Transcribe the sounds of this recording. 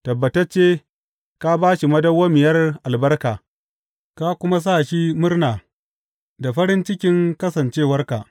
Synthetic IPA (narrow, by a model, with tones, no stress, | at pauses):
tɐ˨bːɐ˨tɐ˦t͡ʃeː˦ | ka˦baː˦ʃi˨mɐ˦dɐ˦wːaː˦mɪ˨jɐ˦rʔa˨lbɐ˦rkaː˨ | ka˦kʷʊ˦ma˦s̬aː˦˨ʃi˦mʊ˦rnaː˨ | da˨ɸɐ˦ɾɪ˦nt͡ʃɪ˦kʲɪ˦ŋkɐ˦sɐ˨nt͡ʃeː˦wɐ˦rka˨ʔ